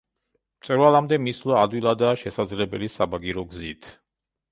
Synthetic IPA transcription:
mt̪sʼɛɾvalamd̪ɛmislɔad̪wilˠad̪aːʃɛsad̪zlɛbɛlisabaɡiɾɔɡzit̪ʰ

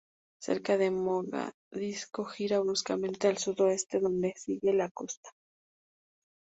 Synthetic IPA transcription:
sḛɾkaðemoɣa̰ | ðiskoxiɾaβɾuskamẽ̞nt̪ealsuðoest̪eðond̪esiɣelakost̪ḁ

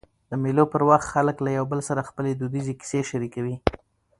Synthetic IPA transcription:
d̪̥əmelopəɾwaxt̪xaləklajawbəlsaɾaxpəled̪ud̪izeki̥seʃaɾikawi

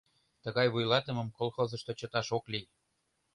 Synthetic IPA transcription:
t̪əɣɑjβujlɑt̪ə̆mə̆mkolˠxozə̆ʃt̪ot͡ɕɤt̪ɑʃokli

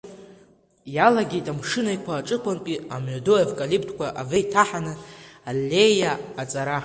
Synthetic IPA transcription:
jalaɡʲejtʼamʂɨnaikʷʰaːʈ͡ʂʼɨqʷʰanpʼiamʕadoevkʼalipʰtʰkʷaʔavejtʰaħanɨalːejaːt͡sʼaɾa

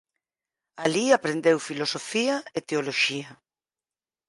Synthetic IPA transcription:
aliapɾend̪ewfilosofiaet̪eoloʃia

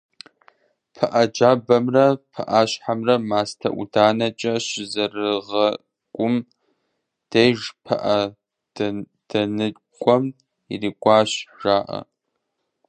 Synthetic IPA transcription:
pʰɐʔɐd͡ʒaːbɐmrɐpʰɐʔaːɕħamrɐmaːstʰɐ̰ʔʷṵdaːnɐt͡ʃʼɐɕɪzɐrɨʁɐ | kʷʼʊm | d̥ejʒpʰɐ̰ʔɐ̥ | d̥ɐnɨkʷʼɔm | iriːkʷʼɑːɕʒaːʔɐ̰

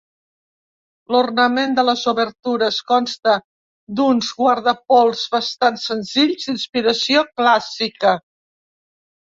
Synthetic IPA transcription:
lornəmend̪ələzuβəɾt̪uɾəskɔnst̪ə | d̪unzɣwaɾðəpɔlˠzβəst̪ansənziʎzd̪inspiɾəsioklasikə

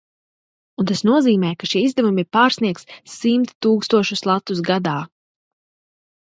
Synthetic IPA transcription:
unt̪asnuɔziːmɛːjkaʃiɛizd̪ɛvumiɾpaːɾsniɛk̚t̪ssimt̪t̪ːuːkst̪uɔʃuslˠat̪ːusɡad̪aː

